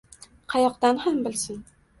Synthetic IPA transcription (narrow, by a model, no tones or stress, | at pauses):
qʰɑjɒqd̪anhambɪlsɪn